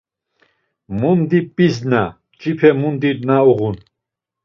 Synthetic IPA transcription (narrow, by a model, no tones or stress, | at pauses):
mund̪ipʼizna | t͡ʃʼipʰɛmund̪id̪nauʁun